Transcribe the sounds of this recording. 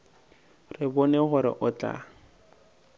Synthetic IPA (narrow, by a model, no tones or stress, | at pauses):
rɪbɔnɛχʊɾɪ̰ʔʊt͡ɬʼa̰